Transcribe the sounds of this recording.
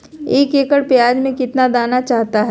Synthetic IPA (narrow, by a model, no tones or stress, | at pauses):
eːkeːkəɽpjaːd͡ʒmẽkɪt̪nad̪aːnat͡ʃaːɦt̪aɦɛ